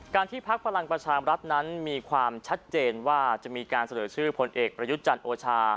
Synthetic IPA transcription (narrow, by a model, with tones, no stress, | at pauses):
kaː˧nt̪ʰiː˥˩pʰa˦˥k̚pʰa˧la˧ŋpɾa˧t͡ɕʰaː˧ɾa˦˥t̪̚na˦˥nmiː˧kʰwaː˧mt͡ɕʰa˦˥t̪̚t͡ɕeː˧nwaː˥˩t͡ɕa˨˩miː˧kaː˧nsa˧nɤː˩˦t͡ɕʰɯː˥˩pʰo˧nʔeː˨˩k̚pɾa˧ju˦˥t̪̚t͡ɕa˧nʔoː˧t͡ɕʰaː˧